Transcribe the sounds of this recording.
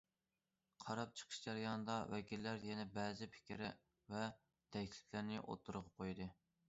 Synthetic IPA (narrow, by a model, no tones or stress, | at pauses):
qʰɑɾɑp̚t͡ʃʰə̥qʰə̥ʃd͡ʒæɾjɑnɨd̪ɑwɛkʲilːæɾjɛnɛbɛːzɪpʰɪ̥kʲɾɪ̰ | vɛ | t̪ʰɛkʲlʲɪ̥kʲʰlæɾnɪʔo̰t̪ʰːuɾʁɑqʰojd̪ɨ